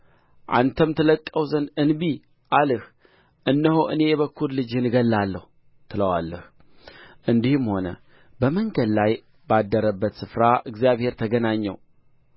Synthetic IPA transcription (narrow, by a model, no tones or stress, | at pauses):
ʔa̰nt̪ʰəmt̪ʰələkʼːəwzənɨnbi | ʔalɨh | ʔɨnːəhoʔɨne̞jɛβəkʰːuɾlɨd͡ʒhɨnɡəlːalːəhu | t̪ʰɨləwa̰lːəh | ʔɨnd̪ihɨmho̞nə̰ | bəməŋɡədlaj | bad̪ːəɾəbːət̪sɨfɾaʔɨɡzijaβhe̞ɾt̪ʰəɡənaɲːɛ̰w